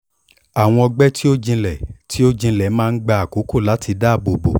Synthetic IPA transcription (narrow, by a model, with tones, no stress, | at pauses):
a˨w̃ɔ̃˧ɔ˧ɡ͡bɛ˦tʰi˦o˦d͡ʒĩ˧lɛ˨tʰi˦o˦d͡ʒĩ˧lɛ˨˦mãː˦˧n̩˦ɡ͡ba˧a˨ko˨˦ko˦˨la˨˦tʰi˧da˦˨bo˨bo̰˨